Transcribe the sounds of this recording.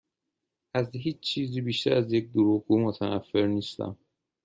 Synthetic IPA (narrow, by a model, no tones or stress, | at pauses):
ʔæzɦiːt͡ʃt͡ʃʰiːziːbiːʃt̪æɾæzjec̚d̪oɾuːɣɡuːmot̪ʰænæfːe̞ɾniːst̪æ̰m